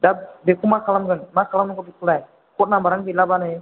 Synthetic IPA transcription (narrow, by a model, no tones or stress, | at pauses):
dabekumakalamɡənmakalamnəkɔdikula | kɔt̚nambaɾankilabane